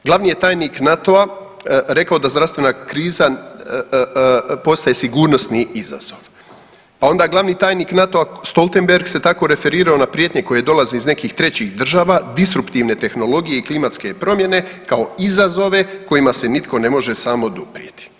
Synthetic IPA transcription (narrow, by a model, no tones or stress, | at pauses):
ɡlˠaʋniːje̞t̪aːjniknat̪o̞a | ɾe̞kao̞d̪azd̪ɾaʋst̪ʋenakɾiːza | po̞st̪aje̞siɡuːɾno̞sniiza̰z̥o̞ʋ | pao̞nd̪aːɡlˠaʋniːt̪aːjniːknat̪o̞ast̪o̞lˠt̪e̞mbe̞ɾɡse̞t̪ako̞ɾe̞feɾiːɾao̞napɾjeːt̪ɲe̞ko̞jed̪o̞laziizne̞kiːxt̪ɾe̞t͡ɕixd̪r̩ʒaːʋad̪isɾupt̪iːʋne̞t̪e̞xno̞lo̞ɡijeiklimat̪ske̞pɾo̞mje̞ne̞kao̞izazo̞ʋe̞ko̞jimase̞nit̪ko̞ne̞mo̞ʒe̞samo̞d̪upɾjet̪i̥